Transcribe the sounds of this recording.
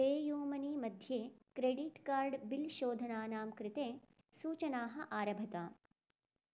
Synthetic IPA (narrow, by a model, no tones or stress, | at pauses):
eːjuːmɐniːmɐd̪ʱjeːkɾeːɖiʈkaːɾɖbilʃoːd̪ʱɐnaːnaːmkɾɪt̪eː | suːt͡ʃɐnaːɦɐ̆ʔaːɾɐbʱɐt̪aː